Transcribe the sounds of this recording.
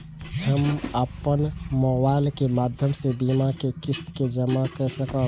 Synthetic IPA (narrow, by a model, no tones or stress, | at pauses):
həməpənmɔːbaːɪlkemaːd̪ʱjəmsebimakekɪst̪ked͡ʒəmakəɾsəkə